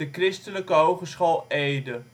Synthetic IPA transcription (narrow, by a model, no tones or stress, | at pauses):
əkrɪstələkəowχəsχolˠejdə